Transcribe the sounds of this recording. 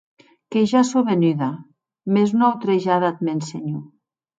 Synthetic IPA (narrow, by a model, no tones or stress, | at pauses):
keʒasoβenyða | mezunawt̪ɾeʒaðat̪̚menseɲu